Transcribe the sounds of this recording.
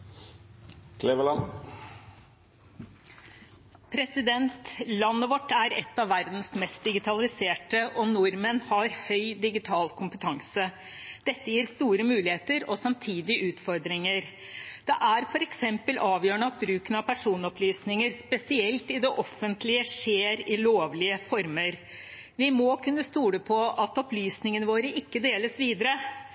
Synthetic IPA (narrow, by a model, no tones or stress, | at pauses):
kʰleʋəlɑn | pʰɾɛsɪd̪ɛnt̪lɑnːəʋɔʈːæɾɛt̪ːɑʋːæɾd̪n̩smɛst̪̚d̪ɪɡɪt̪ʰɑlɪseːʈəʔɔnʊɾmənhɑɾhœʏd̪ɪɡɪt̪ʰɑːlkʰʊmpət̪ʰɑŋsə | d̪̥ɛt̪ːəjiːɾst̪uːɾəmʉːlɪheːt̪əɾɔsɑmt̪ʰiːd̪ɪʔʉːt̪fɔɾd̪ɾɪŋəɾ | d̪̥ɛʔæɾfɔɾɛksɛmpəlɑːʋjøːəɳəɑt̪̚bɾʉːkənɑpʰæʂuːnɔplyːsnɪŋəɾspɛsɪɛlt̪ɪd̪ɛʔɔfənt̪lɪəʂeːɾɪloːʋlɪəfɔɾməɾ | ʋɪmɔkʰʉnːəst̪uːɽəpʰɔɑt̪ɔplyːsnɪŋənəʋoːɾəʔɪkːəd̪eːləsʋiːd̪əɾə